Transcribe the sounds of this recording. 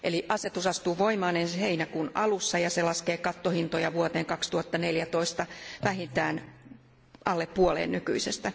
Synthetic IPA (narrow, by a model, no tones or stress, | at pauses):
ʔeliʔɑset̪usɑst̪uːʋoimɑːnensiheinækunʔɑlusːɑjɑselɑskeːkɑt̪ːohint̪ojɑʋuot̪eːŋkɑkst̪uhɑt̪ːɑneljæt̪o̞ist̪ɑʋæɦint̪æːn | ʔɑlːeppuolḛːnnyky̰isest̪æ